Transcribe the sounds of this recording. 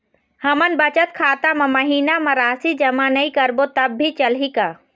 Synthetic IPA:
hɐmənbɐt͡ʃət̪kʰaːt̪amɐ̃mɐɦiːnamɐ̃ɾaːsid͡ʒɐmanɐĩkɐɾbot̪ɐbːʱit͡ʃɐlika

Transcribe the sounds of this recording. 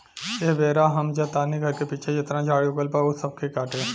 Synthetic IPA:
jeɦbeːɾaɦɐmd͡ʒat̪aːniɡʱɐɾkepiːt͡ʃʰed͡ʒet̪nãd͡ʒʱaːɽiʊkəlpaʊsɐb̚kʰikaːʈẽː

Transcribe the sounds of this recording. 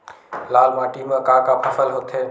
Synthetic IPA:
laːlmaːʈimə̃kãkapʰəfʰəlɦot̪ʰe

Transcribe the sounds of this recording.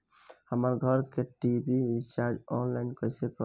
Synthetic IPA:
həməɾɡʱəɾkeʈibit͡ʃaɾd͡ʒɔnlaɪnkəjsekɔ

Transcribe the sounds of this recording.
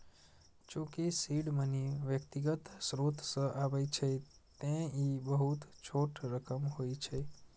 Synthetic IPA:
d͡ʒõkesiɽməniʋjəkt̪iɡət̪sɾot̪ʰsəʔaʋajt͡ʃʰe | t̪ẽibəɦut̪t͡ʃʰoʈʰɾəkəmɦoit͡ʃʰe

